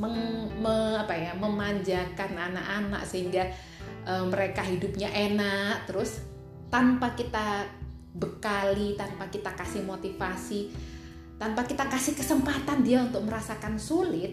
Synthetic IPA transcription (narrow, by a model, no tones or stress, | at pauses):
məŋməapajaməmaɲd͡ʒakanana̰ʔana̰ʔsəɦiŋɡa | ʔəːməɾekaɦidʊp̚ɲaʔenaʔt̪əɾʊs | t̪anpakit̪a | bəkalit̪anpakit̪akasɪhmot̪ifasi | t̪anpakit̪akasɪhkəsəmpat̪andiaunt̪ʊk̚məɾasakansulɪt̪̚